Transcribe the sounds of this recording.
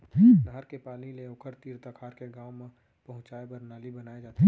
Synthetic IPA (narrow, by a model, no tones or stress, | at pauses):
ləɦəɾkepaːlnileʊkʰəɾt̪iːɾt̪əkʰaːɾkeɡãːwmẽ | pɐɦʊ̃t͡ʃaːebəɾnaːlibənaːed͡ʒaːt̪i